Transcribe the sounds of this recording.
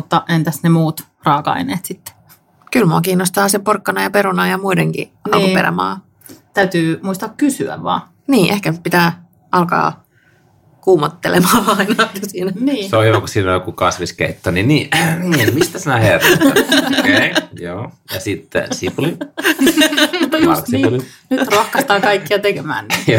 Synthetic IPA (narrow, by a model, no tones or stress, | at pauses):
ut̪ːɑʔent̪æsnemuːt̪ | rɑːkɑ̰ineːt̪sit̪ːe̥ | kylmuɑkiːnːost̪ɑːsemporkːɑnɑjɑpeɾunɑjɑmuideŋkḭʔɑ̰kkupel̰mɑ̰ː | t̪æyt̪yːmuist̪ɑkkysy̰æ̰ʋʋɑ̰ː | niːʔehkæpit̪æː | ʔɑlkɑ̰ː | kuːmɑt̪ːelemɑːɑinɑt̪ːsiːnæniːseojokusiːnojokukɑsʋiskḛit̪ːoniniːniːmist̪æsinæherː | kjoːjɑ̰sit̪ːḛsipuli | usiuli | nyt̪rohkɑst̪ɑːkɑikːiɑt̪ekemæ̰ːnn